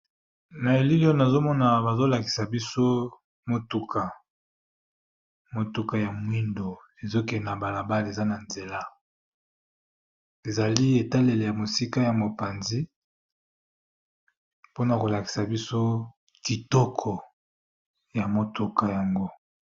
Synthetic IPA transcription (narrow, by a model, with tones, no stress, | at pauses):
na˨e˨li˦li˦ɔ˦na˨zo˦mɔ˦na˨ba˨zo˦la˨ki̥˨sa˨bi˦so˦ | mo˨tu˦kʰa˨ | mo˨tu˦ka˨ja˨mwi˦ndo˨ | e˨zo˦kɛ˨na˨ba˨la˨ba˦le˨za˦na˨nze˨la˦ | e˨za˨li˦e˨ta˦le˨le˨ja˨mo˨si˦ka˦ja˨mo˨pa˨nzi˦ | po˦na˨ko˨la˨ki̥˨sa˨bi˦so˦ | ki˨tɔ˦kʰɔ˨ | ja˨mo˨tu˨ka˨ja˨ŋɡo˦